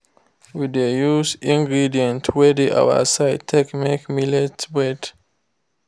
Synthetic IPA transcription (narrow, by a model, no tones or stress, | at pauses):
widejusĩŋɡɹidiə̃ntʰwɛdiʔa̰ʊwa̰saɪtʰːɛknikmilɛtbɹɛd